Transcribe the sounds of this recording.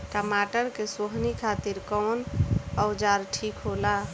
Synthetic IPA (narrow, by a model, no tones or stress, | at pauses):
kamaʈəɾkesoɦnikʰat̪iɾkɔnaʊd͡ʒaɾʈʰikɦola